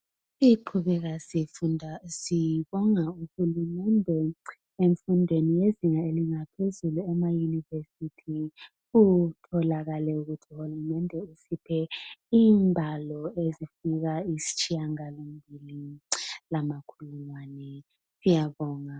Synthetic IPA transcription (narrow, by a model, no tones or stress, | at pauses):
siǃʰuβɛɣasiundʱasiβɔŋauhulumɛndʱɛ | eɱfundʱwenijeziŋaeliŋapʰezuluɛmajunivesitʰi | utʰɔlaɣalɛuɣutʰiuhulumɛndʱɛusipʰɛiːmbʱalɔezifiɣaisi̥t͡ʃʼijaŋalombʱililamakʰuluŋwaːnɛ | sijaβɔːŋa